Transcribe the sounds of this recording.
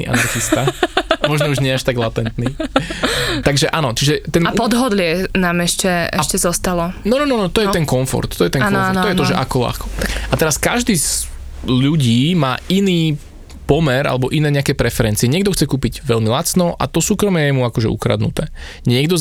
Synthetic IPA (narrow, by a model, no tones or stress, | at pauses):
ḭːʔa̰naɾxist̪amɔʒnɔuʒɲɪɛaʃt̪aɡlat̪ɛnt̪niː | t̪aɡʒɛʔanɔt͡ʃiʒɛt̪ɛnapɔd̪ɦɔd̪lɪɛnaːmɛʃcɛɛ̰ʃcɛzɔst̪alɔnɔnɔnɔnɔt̪ɔjɛt̪ɛnkɔɱfɔ̰ɾt̪t̪ːɔjɛt̪ɛnknɔfɔɾt̪t̪ːɔjɛt̪ɔʒɛʔakɔla̰xkɔt̪aat̪ɛɾaskaʒd̪iːz | ʎuɟiːmaːʔiniː | pɔmɛɾʔa̰lɛbɔʔinɛːɲɛakɛːpɾɛfɛɾɛnt͡siɛɲɪɛɡd̪ɔxt͡sɛkuːpiɟʋɛlmilat͡snɔʔa̰t̪ɔsuːkɾɔmɛjɛmuakɔʒɛ̰ṵkɾa̰d̪nṵt̪ɛː | ɲɪɛɡd̪ɔz